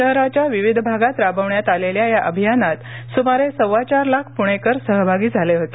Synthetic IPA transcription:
əɦɾat͡ɕjaʋiʋid̪ʱbʱaɡat̪ɾabʱəʋɳjat̪aleljajaʔəbʱijanat̪sumaɾesəʋat͡ɕaɾlakʰpuɽ̃ekəɾsəɦbʱaɡiːd͡zʱaleɦot̪e̥

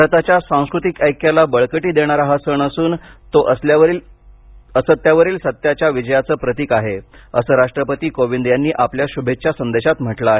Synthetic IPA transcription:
ɾt̪at͡ɕjasãw̃skɾut̪ikəjkjalabəɭkəʈiːd̪eɽ̃aɾaɦasəɳəsuːnt̪oʔəsljaʋəɾil | əsət̪jaʋəɾiːlsət̪jat͡ɕjaʋid͡ʑəjat͡səːpɾət̪iːkaɦeəsəːɾaʂʈɾəpət̪iːkoʋind̪janːiːʔapljaɕubʱet͡ɕjasənd̪eɕat̪m̤əʈlaaɦe

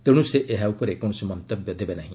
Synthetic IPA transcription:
t̪eɽ̃ũseʔeɦaupɔɾekɔɽ̃ɔsimɔnt̪ɐbjɔd̪ebenaɦĩ

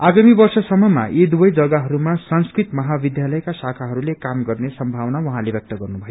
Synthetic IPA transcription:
aɡamibʌrsʌsʌmːʌma̰ʔid̪ubʌjd͡zʌɡaɦʌɾumasʌnskrit̪mʌɦabid̪jalʌjkasakʰaɦʌɾulekamɡʌrnesʌmbʱawnawʌɦãlebjʌk̚t̪ʌɡʌrnubʱʌjo

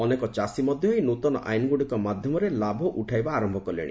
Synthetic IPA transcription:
ɔnekɔt͡ʃasimɔd̪ʱjɔɦinut̪ɔnɔ̰ʔa̰jnɡuɽikɔmad̪ʱjɔmɔɾelabʱɔʔuʈʰajbaːɾɔmbʱɔkɔlḛɽḭ̃

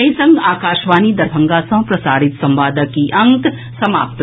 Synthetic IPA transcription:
ɐisɐ̃ŋɡaːkaːʃʋaːnid̪ɐɾbʱɐ̃ŋɡasɐ̃pɾɐsaːɾɪt̪sɐ̃mʋaːd̪əkiʔɐ̃ŋk | sɐma̰ːp̚t̪

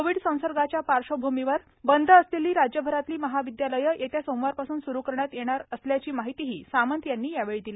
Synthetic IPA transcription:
oʋiɽsə̃w̃səɾɡat͡ɕjapaɾʂəbʱumiʋəɾ | bənd̪ʱəːsleliːɾad͡ʑjəbʱəɾat̪liːməɦaʋid̪jaləjəʔet̪jasõw̃ʋaɾpasund̪suɾukəɾɳjat̪jeɽ̃aɾəsljat͡ɕiːmaɦit̪iɦiːsamənt̪janːiːjaʋeɭid̪ili

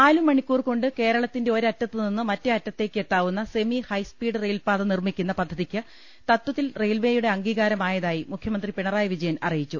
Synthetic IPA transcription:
aːlumːɐɳikʲːuːrko̞ɳɖɨke̞ːɾɐɭɐt̪ːinde̞o̞ɾɐtːɐt̪ːɨninːɨmɐtːɨɐtːɐt̪ːe̞ːkːet̪ːaːʋunːɐse̞mihɐjspiːɽɨrejlpaːðɐnirmikʲːunːɐpɐd̪ʱːɐðikʲːɨ | t̪ɐt̪wɐðːilrejlʋeːjuɽe̞ɐŋɡiːɣaːɾɐmaːjɐðaːjimukʰjɐmɐnd̪ripeɳɐraːjɐʋid͡ʑɐjɐnɐrijit͡ɕːu

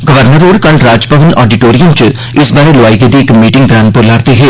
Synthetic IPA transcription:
ɡəʋəɾnəɾoːɾkɐlɾaːd͡ʒpəʋənʔɔːɖiʈoːɾijəmt͡ʃ | ɪsbaːɾelʊaːiɡed̪iɪkmiːʈɪŋɡd̪ɾaːnpəɾlaːɾt̪eɦɛː

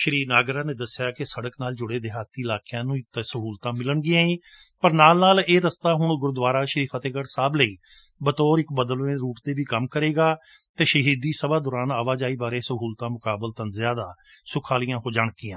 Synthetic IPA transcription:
ʃəɾiːnaːɡɾaːneːd̪əsɪjaːkɪsəɽəknaːld͡ʒʊɽeːd̪ɪɦaːt̪iːɪlaːkɪjãːnũːt̪ːsəɦuːlt̪ãːmɪləɳɡɪjãːĩː | pəɾnaːlnaːleːɾəst̪aːɦʊɳɡʊɾd̪ʋaːɾaːʃəɾiːpʰat̪eːɡəɾsaːbləiː | bət̪ɔːɾɪkbəd̪əlnẽːɾuːʈd̪eːbiːkəmkəɾeːɡaː | t̪eːʃəɦiːd̪iːsəbaːd̪ʊːɾaːnaːʋaːd͡ʒaːiːbaːɾeːsəɦuːlt̪ãːmʊkaːbəlt̪ənzɪjaːd̪aː | sʊkʰaːlijãːɦoːd͡ʒaːɳkĩːãː

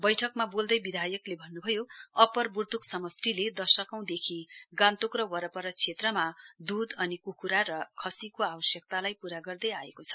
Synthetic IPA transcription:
bʌjʈʰʌkmabold̪ʌjbid̪ʱajʌklebʱʌnːubʱʌjoʌpʌrburt̪uksʌmʌsʈiled̪ʌsʌkaw̃d̪ekʰiɡãnt̪okrʌwʌɾʌpʌɾʌt͡sʰet̪rʌmad̪ud̪ʌnikukuɾaɾʌkʰʌsikoabʌsjʌk̚t̪alajpuɾaɡʌrd̪ʌjaekot͡sʰʌ̥

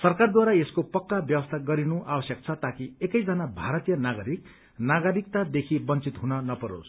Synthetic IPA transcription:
sʌrkard̪waɾaeskopʌkːabjʌwʌst̪ʰaɡʌɾinuʔabʌsjʌk̚t͡sʰʌt̪akiekʌjd͡zʌnabʱaɾʌt̪ijʌnaɡʌɾik̚ | naɡʌɾik̚t̪ad̪ekʰibʌnt͡sit̪ɦunʌnʌpʌɾo̰s

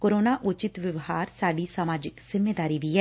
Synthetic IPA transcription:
koːɾoːnaːʔʊt͡ʃɪt̪ʋɪʋhaːɾsaːɖiːsəmaːd͡ʒɪkz̥ɪmːeːd̪aːɾiːʋiːɛː

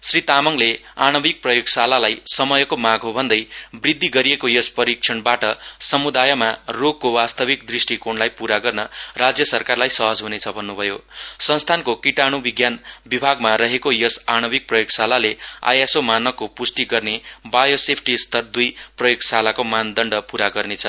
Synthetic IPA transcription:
srit̪amʌŋleanʌbik̚prʌjoɡsalalajsʌmʌjʌkomaɡɦobʱʌnd̪ʌjbrid̪ʱːiɡʌɾiekojʌspʌɾik̚t͡ʃʰʌnbaʈʌsʌmud̪ajʌmaroɡ̚kobast̪ʌbikd̪risʈikonlajpuɾaɡʌrnʌrad͡zjʌsʌrkarlajsʌɦʌd͡zɦunet͡sʰʌbʱʌnːubʱʌjosʌnst̪ʰankokiʈaɽ̃ubiɡjanbibʱaɡmaɾʌɦekojʌsañʌbik̚prʌjoɡsalalea̰jasomanʌkːopusʈiɡʌrnebajosepʰʈist̪ʌrd̪ujprʌjoɡsalakomand̪ʌɳɖʌpuɾaɡʌrnet͡sʰʌ

